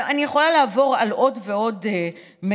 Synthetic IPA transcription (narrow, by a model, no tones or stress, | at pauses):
anijeχo̞lalaːvo̞ʁalo̞dve̞o̞d | me